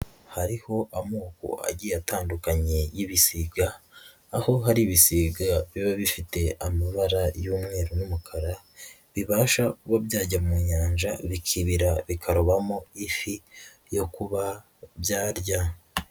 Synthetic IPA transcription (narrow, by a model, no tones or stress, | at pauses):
haɾiho̞ʔamoːko̰a̰ɟiataːndukaɲejiβisiɡaː | ho̞ɦaɾiβisiɡaβiβaβifite̞amaβaɾajuːmŋe̞ːɾonumukʰaɾa | βiβaːʃakuβabjaːɟammuɲaːɲʒaβikʰiβiɾaβikʰaɾoβamo̞ifi | jo̞kuβa | bjaːɾɟa